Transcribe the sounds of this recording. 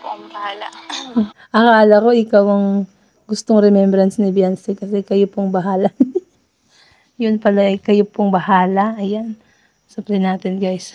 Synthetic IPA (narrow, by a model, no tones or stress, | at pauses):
pobɐhaːla | ʔɐkaːlɐko̞ʔɪkawɐŋ | ɡʊst̪oŋɾɛmɛmbɾɐnsnɪbjansɛkɐsɛkɐjopoŋbɐɦaːlɐn | jʊnpɐlajkɐjopoŋbɐhaːlɐɐjan | sɐplɛnaːt̪ɪnɡajs